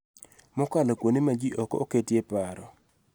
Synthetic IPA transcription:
mʊkalokwonimad͡ʒiʔɔkɔ̰oketjepaɾɔ

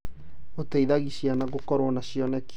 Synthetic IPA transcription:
otaiðaɣiʃianaɣokɔɾwɔnaʃiɔnɛk

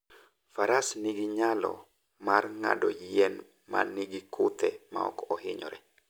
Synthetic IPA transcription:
faɾasniɡiɲalɔ̰ | marŋa̰dɔjɛn | maniɡikʰʊt̪ɛma̰ɔ̰kɔɔɦɪɲɔ̰ɾɛ

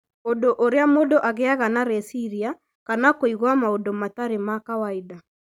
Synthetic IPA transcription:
odoʔoɾeamodoʔaɣeaɣanaɾesiɾia | kanakoiɣwamaodomataɾemakawaida

